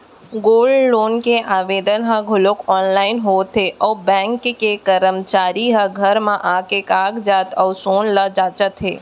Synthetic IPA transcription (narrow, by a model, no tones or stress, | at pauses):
ɡoːlɖːoːnkeʔaːʋeːd̪ənɦə̃ɡʱʊlʊkɔːnlaːɪnɦoːt̪eʔɔːbɛ̃ːŋkkekəɾəmt͡ʃaːɾiɦə̃ɡʱəɾmãʔaːkekaːɡd͡ʒaːt̪ɔːsoːnləd͡ʒaːt͡ʃət̪ɦḛː